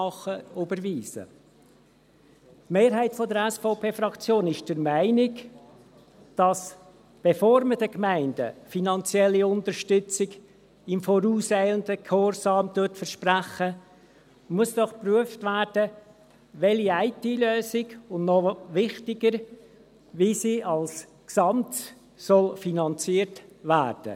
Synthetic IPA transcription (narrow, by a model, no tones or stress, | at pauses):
ɑχəʊbəɾʋiːsə̰ | tmeːɾɦæɪtfɔdəɾɛsfɔʊpʰeːfɾɑkt͡sjoːnɪʃd̥əɾmæɪnɪk | d̥ɑs | b̥efoːɾmədəkmæɪnd̥ə̰finɑnt͡sjɛlːiʊnt̪əɾʃtʏt͡sɪɡ | ɪmfɔɾuːsæɪləndəkʰhoɾsɑːmtʊtfəɾʃpræχə | muəsd̥ɔχpryəftʋæːɾd̥ə | ʋɛliæɪtiløːsɪɡʊnnɔʋɪχtɪɡəɾ | ʋisiːʔɑls | ksɑmt | sɔlfinɑnt͡siəɾtʋæːɾd̥ə̰